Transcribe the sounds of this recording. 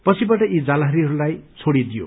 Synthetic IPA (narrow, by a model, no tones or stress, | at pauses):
pʌt͡sʰibaʈʌid͡zalaɦʌɾiɦʌɾulajt͡sʰoɽid̪ijo̰